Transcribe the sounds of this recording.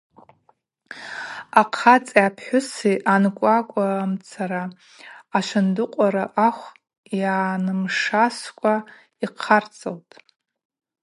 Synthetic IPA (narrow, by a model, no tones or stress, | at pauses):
aqʰat͡sʼiapʰħʷᶣʊsiʔankʷʼakʷʼamt͡sʰaɾaː | ʃʷandʊqʷʼaɾaʔaχʷ | janɨmʂaskʷʼa | iqʰart͡sʼaltʼ